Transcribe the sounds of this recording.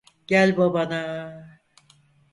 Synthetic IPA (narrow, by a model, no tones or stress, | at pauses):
ɟ̥ælʲbabana